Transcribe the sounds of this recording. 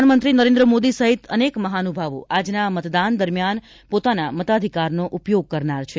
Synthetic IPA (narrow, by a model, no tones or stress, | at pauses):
anmənt̪ɾinəɾẽnd̪ɾəmod̪isəɦit̪ənekməɦanubʱaʋo̰ʔad͡ʒnamət̪d̪and̪əɾmjan | pot̪anamət̪ad̪ʱikaɾnoʔupjoɡ̚kəɾnaɾt͡ʃʰe